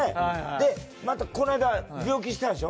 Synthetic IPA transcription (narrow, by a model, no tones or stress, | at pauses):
ed̪e̞ | mat̪ako̞naeɡ̪abʲo̞ːk̬ʲiɕi̥t̪ãñɕio